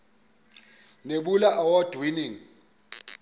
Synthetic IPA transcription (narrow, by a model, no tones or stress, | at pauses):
neɓulaʔawɔd̥ʱwiniːŋ̩